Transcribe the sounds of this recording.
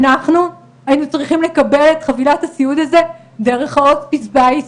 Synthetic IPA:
naχnu | ainut͡sʁiχimle̞kɐbe̞letχavilathasiud̪aze̞ | de̞ʁe̞χotpisbajs

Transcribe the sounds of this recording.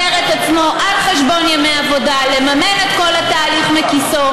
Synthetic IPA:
eʁet̪at͡smo̞ʔalχeʃbo̞njameavo̞dale̞mamene̞t̪ko̞lat̪aːliχmekiso

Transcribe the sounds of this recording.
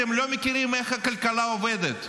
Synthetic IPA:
emlo̞mekiɾimeχhakalkalaoved̪et̪

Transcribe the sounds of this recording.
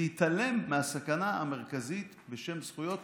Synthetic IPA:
it̪ale̞mːeasakanaame̞ʁ̞kazit̪beʃe̞msχujo̞t

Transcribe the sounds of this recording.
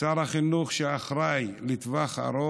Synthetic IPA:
aɾaχinuχʃeaχɾajlit̪vaχa̰ɾo

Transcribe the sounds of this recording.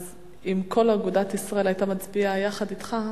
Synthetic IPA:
z | imkʰo̞laɡudat̪isʁae̞lajtamat͡sbiajaχadit̪χa

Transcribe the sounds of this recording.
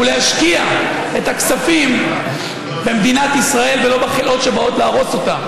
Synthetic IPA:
uleaʃkia | e̞t̪aksafim | be̞md̪inat̪isʁae̞lvelo̞beχelʔo̞tʃebao̞tleːʁo̞so̞tam

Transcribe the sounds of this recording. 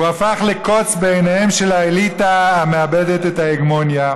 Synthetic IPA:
uafaχleko̞t͡sbeejnahemʃe̞laelitaame̞abedetetaeɡmo̞nja

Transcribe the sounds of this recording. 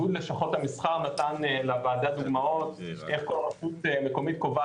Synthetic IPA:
ud̪leʃaχo̞t̪hamisχaʁnat̪anlavaːdad̪uɡmao̞t̪ʔe̞χkolʁafut̪emeko̞mit̪̚kova

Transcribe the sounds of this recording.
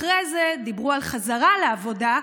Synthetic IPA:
ʁejzed̪ibʁualχazaʁaleavo̞da

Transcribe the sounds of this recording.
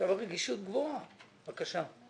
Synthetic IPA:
avaʁeɡiʃut̪ɡvoa | v̥akaʃa

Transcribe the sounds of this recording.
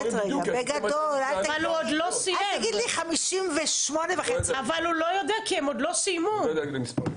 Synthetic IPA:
eɡbeɡadolat̪avalhuod̪losieamɡid̪liχamiʃimveʃmonevaχet͡siavalulojod̪ɛakiemod̪losijmud̪ɡlmispa̰

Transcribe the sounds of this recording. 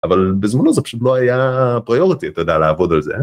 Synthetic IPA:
avalbezmanozɛpḁʃut̪̬loajapʁijoʁit̪iat̪jod̪ealeavod̪alzḛ

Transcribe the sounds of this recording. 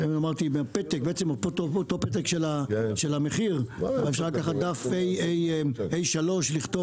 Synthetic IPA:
eamaʁt̪imeapet̪ek̚beet͡semopot̪oot̪opet̪̬ekʃelaʃelameχiʁaefʃaʁlakaχad̪afejejʔejʃalo̞ʃliχt̪o

